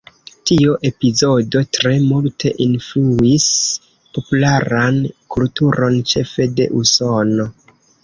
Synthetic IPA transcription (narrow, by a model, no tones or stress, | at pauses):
tioʔe̞pizo̞do̞tɾe̞multʰe̞ʔinfluis | po̞pulaɾankultuɾo̞nt͡ʃe̞fe̞de̞̰ʔuso̞no̞